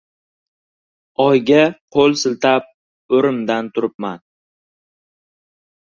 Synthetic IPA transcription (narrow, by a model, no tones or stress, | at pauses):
ɒjɡʲaqʰolˠsɪlˠt̪ʰap̚ | ɵɾɪmd̪ant̪ʰʊɾɪp̚man